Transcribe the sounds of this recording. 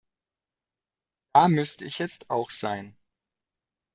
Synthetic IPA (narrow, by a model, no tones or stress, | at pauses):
d̥aːmʏstəɪçjɛt͡staʊxz̥aɪn